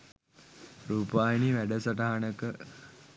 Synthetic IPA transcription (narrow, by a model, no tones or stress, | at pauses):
ɾuːpaːjniʋæɖəsaʈaɦanəkə